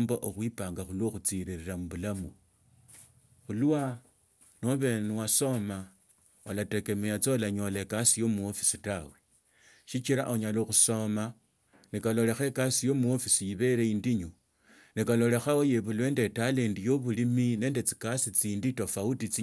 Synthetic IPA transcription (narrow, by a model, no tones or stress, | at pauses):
mboʔoxwipaːŋɡaxulwoxut͡siɾiɾiɾamuβulamu | xuluwa | noβenwaso̞ma | olate̞ke̞mejat͡solaɲolekasijo̞muofisitawe | ʃit͡ʃiɾa̰ʔoɲaloxuso̞ma | nikalo̞le̞xekasijo̞muofisijiβe̞ɾeindiɲo | nikalo̞le̞xawojeβulwe̞ːnde̞talendijo̞βulimine̞ːnde̞t͡si̥kasit͡siːnditofautit͡si